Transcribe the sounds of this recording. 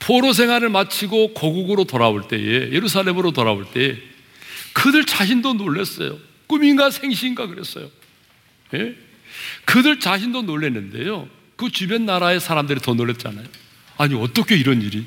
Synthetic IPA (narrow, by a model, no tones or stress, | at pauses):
pʰoɾos̬ʰe̞ŋɦwaɾɯɭmat͡ɕʰiɡokʌɡuɡɯɾotoɾaoɭt͈e̞̰jḛje̞ɾus̬ʰaɭːe̞mɯɾotoɾaoɭt͈e̞e | kɯdɯɭt͡ɕaɕʰindonoɭːe̞s͈ʌ̰jo̰ | k͈uminɡasʰe̞ŋɕʰinɡakɯɾe̞s͈ʌ̰jo | je | kɯdɯɭt͡ɕaɕʰindonoɭːe̞nːɯnde̞̰jo | kɯt͡ɕube̞nːaɾae̞sʰaɾamdɯɾitʌnoɭːe̞t̚t͡ɕ͈a̰najo | aɲiʌt͈ʌkʰe̞iɾʌniɾi